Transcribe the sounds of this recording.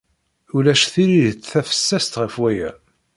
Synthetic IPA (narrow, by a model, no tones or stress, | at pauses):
ulæʃθiɾiðt͡sːθæfə̥sːæst̪ʁəfwæjæ̰